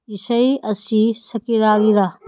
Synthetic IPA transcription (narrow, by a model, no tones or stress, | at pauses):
isɐjɐsisɐpiɾaɡiɾɐ